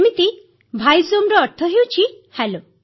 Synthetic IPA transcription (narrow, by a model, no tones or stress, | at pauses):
mit̪i | bʱajzomɾɔːɾt̪ʰɔɦewt͡ʃʰi | hɛlo